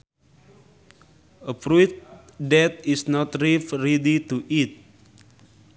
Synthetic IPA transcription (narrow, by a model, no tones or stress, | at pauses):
əfɾut̪̚dɛt̪̚isnɔt̪ɾifɹɛdit̪uʔit̪̚